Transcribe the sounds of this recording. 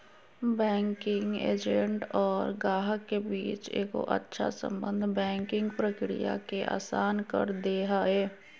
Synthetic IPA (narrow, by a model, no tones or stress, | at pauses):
bɛ̃ːŋkɪ̃ŋɡḛːd͡ʒẽɳʈɔːɾɡaːɦkebiːt͡ʃḛːko̰ʔə̰tːʃʰa̰sə̰̃mbə̃nd̪ʱbɛ̃ːŋkɪ̃ŋɡpɾəkɾḭja̰keʔa̰ːsaːnkə̰ɾd̪eːɦaːɛː